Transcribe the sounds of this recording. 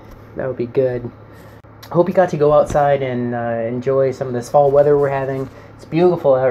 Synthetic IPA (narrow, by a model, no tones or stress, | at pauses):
ðæ̰t̚l̩ˠbiɡʊd̥̚ | hoʊpjɨɡɑtʰɨɡoʊaʊtsaɪɾɨ̃nʌɨ̃nd͡ʒɔɪsʌ̃mʌvðɨsmɔlˠwɛðə˞wɪɹhævɪ̃ŋ | ɪtsb̥jʉɾəfl̩ˠɛ